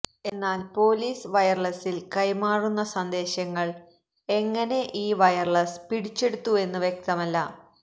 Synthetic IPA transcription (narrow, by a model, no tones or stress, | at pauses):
e̞nːaːlpo̞ːliːsʋɐjɐrɭɐsilkɐjmaːrunːɐsɐnd̪e̞ːɕɐŋːɐɭ | e̞ŋːɐne̞ʔiːʋɐjɐrɭɐspiɽit͡ɕːe̞ɽut̪ːue̞nːuʋjek̚t̪ɐmɐlːɐ